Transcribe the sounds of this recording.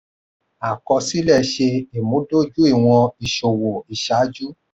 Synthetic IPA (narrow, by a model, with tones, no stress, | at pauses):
a˨kɔ˧si˦lɛ˦˨ʃe˧i˨mũ˨˦do˦d͡ʒu˦i˦˨w̃ɔ̃˧i˨ʃo˨wo˨i˨ʃa˨˦d͡ʒu˦